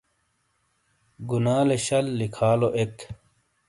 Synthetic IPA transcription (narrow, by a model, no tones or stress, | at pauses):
ɡunaːleɕɐlːikʰaːloʔek